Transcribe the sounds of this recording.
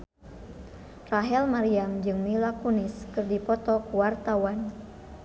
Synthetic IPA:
raɦɛlmaɾiamd͡ʒɨŋmilakuniskɨrdipɔt̪ɔkuwart̪awan

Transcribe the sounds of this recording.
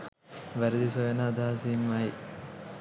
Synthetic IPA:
ʋɐɾd̪is̬ojɐnaːd̪ʱaːsiːnʋaːj

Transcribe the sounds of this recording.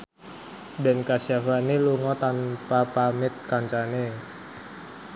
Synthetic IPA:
bɛnkasiafaniluŋɔt̪anpapamɪt̪̚kaɲt͡ʃane

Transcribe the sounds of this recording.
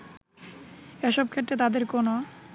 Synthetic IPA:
eʃɔb̚kʰeʈːet̪ad̪eɾkono

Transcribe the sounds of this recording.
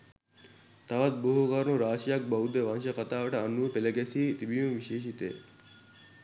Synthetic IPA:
t̪ɐʋɐt̪̚boɦokɐɾnuɾaːʂijɐk̚bɐwud̪eʋɐnʃɐkɐt̪aːʋɐʈəɐnuʋəpelɐɡesiːt̪ibijũʋiʃeːʃit̪ḛː

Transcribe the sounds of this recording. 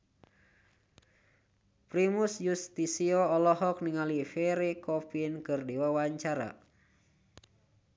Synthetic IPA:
pɾimusjust̪isiɔɔlɔɦɔk̚niŋalifɛɾikɔpinkɨrdiwawaɲt͡ʃaɾa̰

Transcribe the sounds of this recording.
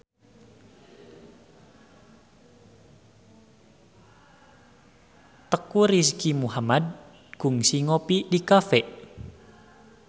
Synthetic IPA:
t̪əkuriskimuɦamad̪̚ | ɡ̥ʊ̤ŋsiŋopidikafɛʔ

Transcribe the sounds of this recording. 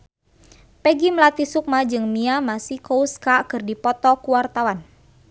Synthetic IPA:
pɛɡiməlat̪isuk̚mad͡ʒɨŋmiamasikouskakɨrdipɔt̪ɔkuwart̪awan

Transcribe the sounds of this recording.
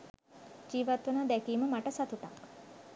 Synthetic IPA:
d͡ʒiːʋat̪ʋunad̪ɛkiːməmaʈəsat̪uʈa̰k

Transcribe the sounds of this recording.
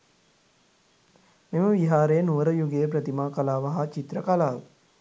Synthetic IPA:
meməʋiɦaːɾejənuʋəɾəjuɡejəpɾət̪imaːkalaːʋaɦat͡ʃit̪ɾəkalaːʋə

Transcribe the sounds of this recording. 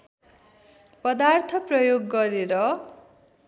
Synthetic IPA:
pʌd̪art̪ʰʌprʌjoɡːʌɾeɾʌ

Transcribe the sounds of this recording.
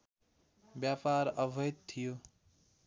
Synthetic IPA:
bjapaɾəbʱʌjt̪t̪ʰːijo

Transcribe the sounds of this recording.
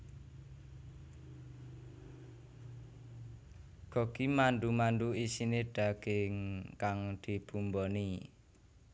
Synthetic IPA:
ɡ̥ɔ̤kimanɖ̪umanɖuisineɖ̥a̤ɡ̥ɪŋkaŋd̪̥i̤b̥umbɔni

